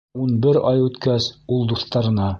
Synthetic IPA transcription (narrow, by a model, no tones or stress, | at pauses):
unbɘɾɑjʉt̪kæsulˠd̪uθt̪ɑɾɤ̆nɑ